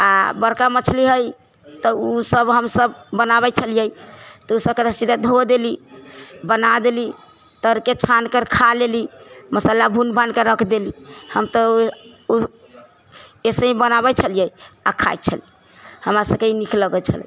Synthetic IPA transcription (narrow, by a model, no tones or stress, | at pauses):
abəɾkamət͡ʃʰliɦəj | t̪ɔusəbɦəmsəbːənabɛt͡ʃʰəlijəjt̪ɔusəb̚ked̪əsid̪ʱad̪ʱod̪eli | bənad̪eli | t̪əɾket͡ʃʰankəɾkʰaleliməsalabʱunbʱankeɾəkʰd̪elihəmt̪ɔu | esəĩbənabɛt͡ʃʰəlijəjakʰa̰jt̪t͡ʃʰəli | həmɾasəb̚keinikʰləɡət͡ʃʰə̰l̰